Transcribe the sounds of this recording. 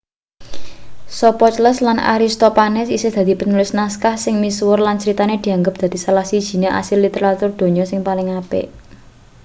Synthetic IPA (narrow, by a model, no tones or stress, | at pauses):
sɔpɔt͡ʃləslana̰ɾist̪opanɛsisɪhd̪̥a̤d̪̥i̤pənulɪsnaskahsɪŋmiswʊrlansəɾit̪aned̪̥i̤aŋɡəp̚d̪̥a̤d̪̥i̤salahsid̥ʒ̥i̤neʔa̰sɪlːit̪eɾat̪ʊrd̪̥o̤ɲɔsɪŋpalɪŋapḛʔ